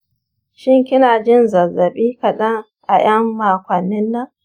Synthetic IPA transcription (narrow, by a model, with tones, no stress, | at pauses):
ʃɪ˦ŋkʲɪ˦naː˨d͡ʒɪ˦nzɐ˨zːɐ˨ɓiː˦kɐ˨ɗɐ˦ŋ | ʔa̰˨j̰ɐ˦mːaː˨kʷɐ˨nːɪ˦nːɐ˦ŋ